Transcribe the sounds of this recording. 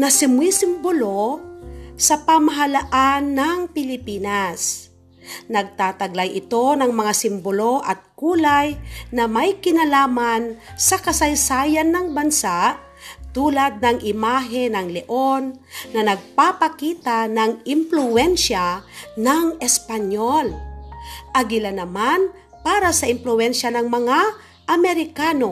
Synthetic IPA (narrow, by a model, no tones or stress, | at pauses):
nɐsɪmwisɪmbolo | sɐpamɐɦɐlaʔanːɐŋpɪlɪpiːnas | nɐɡ̚t̪aːt̪ɐɡlajʔɪt̪o̞nɐŋmɐŋasɪmbolo̞ʔɐt̪̚kuːlajnɐmɐjkɪnɐlaːmansɐkɐsɐjsaːjanːɐŋbɐnsaʔ | t̪uːlad̪̚nɐŋɪmaɦɛnɐŋlɛʔo̞nːɐnɐɡ̚papɐkiːt̪anɐŋɪmplʊwɛnʃanɐŋɛspɐɲol | ʔɐɡɪlanɐman | paːɾasɐʔɪmplʊɛnʃɐnɐŋmɐŋa | ʔɐmɛɾɪkaːno̞